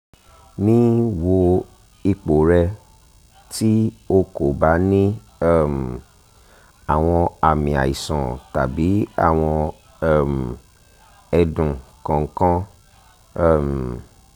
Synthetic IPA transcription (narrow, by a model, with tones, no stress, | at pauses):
nĩ˦wo˧ | i˧k͡po˨ɾɛ˧ | ti˦o˧ko˨ba˨˦nĩ˦ | ɛ˦˨m˨ | a˨w̃ɔ̃˧a˨mĩ˨a̰˨i˨sɔ̃˨ta˨bi˨˦a̰˦˨w̃ɔ̃˧ | ɛ˦˨m˨ | ɛ˧dũ˨kã˨ŋ̩˦kã˦˨ | m˨